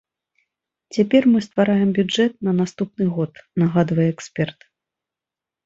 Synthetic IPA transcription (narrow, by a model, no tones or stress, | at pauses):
t͡sʲapʲɛrmɨst̪vaɾajɛmbʲuɛt̪̚nɐnast̪upnɨɣɔt̪naɣad̪vɐjɛɛksʲpʲɛrt̪